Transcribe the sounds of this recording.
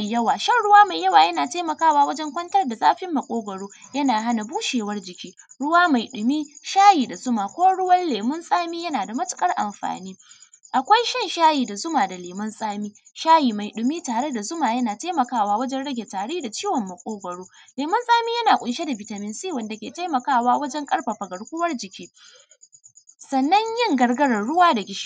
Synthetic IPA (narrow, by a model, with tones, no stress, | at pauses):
jɐ˦waː˨ʃɐ˦˨nɽʊ˦waː˦ma˨jjɐ˦waː˨jɐ˦naː˨taː˦mɐ˨kaː˦˨waː˦wɐ˦d͡ʒɛ˦ŋkʷɐ˦ntɐ˦rda˨zʼa̰ː˦ɸɪ˦mːɐ˨kʷʼoː˦ɡʷɐ˨ɽoː˦jɐ˦naː˨ɦa˦na˨buː˦ʃeː˨wɐ˦rd͡ʒɪ˨kʲiː˦ɽʊ˦waː˦ma˨jɗʊ˨miː˦ʃaː˦jiː˨da˨zʊ˦maː˨kʷoː˦ɽʊ˦wɐ˦nleː˨mɐ˦nsʼaː˦miː˦jɐ˦naː˨da˨mɐ˦tʊ̥˦kʼɐ˦rʔa̰˨mɸa̰ː˨niː˦ | ʔa˨kʷa˦jʃɐ˦nʃaː˦jiː˨da˨zʊ˦maː˨da˨leː˨mɐ˦nsʼaː˦miː˦ | ʃaː˦jiː˨ma˨jɗʊ˨miː˦taː˨ɽe˦da˨zʊ˦maː˨jɐ˦naː˨ta˦jmɐ˨kaː˦˨waː˦wɐ˦d͡ʒɛ˦nɽɐ˦ɡʲe˨taː˨ɽeː˦da˨t͡ʃiː˦wɔ˨mːɐ˨kʷʼoː˦ɡʷɐ˨ɽoː˦leː˨mɐ˦nsʼaː˦miː˦jɐ˦naː˨kʷʼʊ˨nʃe˦da˨bɪ˨ta˨mɪ˨nsiː˦wɐ˨nda˨kʲeː˨ta˦jmɐ˨kaː˦˨waː˦wɐ˦d͡ʒɛ˦ŋkʼɐ˦ɽɸa˨ɸɐ˨ɡɐ˨ɽkʷʊ˦wɐ˦rd͡ʒɪ˨kʲiː˦ | sɐ˨nːɐ˦ɲjɪ˦ŋɡɐ˨rɡɐ˦ɽɐ˨rɽʊ˦waː˦da˨ɡʲɪ˦ʃi̥˦